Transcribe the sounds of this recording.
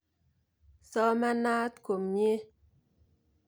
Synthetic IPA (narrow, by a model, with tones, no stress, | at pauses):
sɔ˦ma˦na˦tko˨mɲ˦e˦